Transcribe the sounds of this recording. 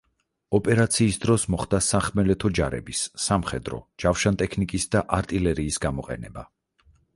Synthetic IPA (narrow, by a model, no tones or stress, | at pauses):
ɔpʼɛɾat̪sʰiːsd̪ɾɔsmɔχd̪asaχmɛlɛt̪ʰɔd͡ʒaɾɛ̰bisːamχɛd̪ɾɔ̰d͡ʒafʃant̪ʼɛkʰnikʼisd̪aʔaɾt̪ʼilɛɾiːsɡamɔqʼɛ̰nɛba